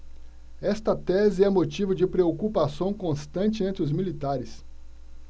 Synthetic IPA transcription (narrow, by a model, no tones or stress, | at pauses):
ɛst̪ɐt̪ɛzɪɛmot͡ʃivʊd͡ʒɪpɾeokupasɐ̃w̃kõst̪ɐ̃nt͡ʃɪẽnt̪ɾɪʊzmilit̪aɾɪs